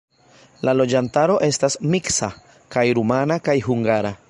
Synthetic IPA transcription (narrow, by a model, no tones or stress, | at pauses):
lalo̞d͡ʒantaɾo̞ʔe̞stasmiksa | kajɾumanakajɦuŋɡaɾa